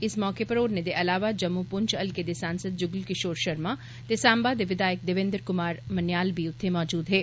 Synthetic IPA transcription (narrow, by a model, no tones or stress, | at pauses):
ɪsmɔːkepɐɾoːɾned̪eʔɐlaːʋad͡ʒɐmːupʊɲt͡ʃɐlked̪esãːnsəd̪̚d͡ʒʊɡlkɪʃoːɾʃɐɾmã | t̪esãːmbaːd̪eʋɪd̪aːjək̚d̪ɪʋẽnd̪ɾkʊmaːɾmɐnjaːlbʱiʊt̪ʰːemɔːd͡ʒuːd̪ɦɛː